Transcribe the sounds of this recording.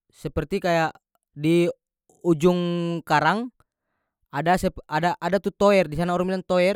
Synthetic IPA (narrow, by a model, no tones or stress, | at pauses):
sɛpərt̪ikajaʔ | di | ud͡ʒuŋkaɾaŋ | adasɛadaʔadat̪ut̪ɔɛrdisanaɔɾaŋbilant̪ɔɛr